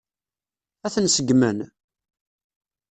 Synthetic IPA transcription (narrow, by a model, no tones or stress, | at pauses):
æθənsəɡmən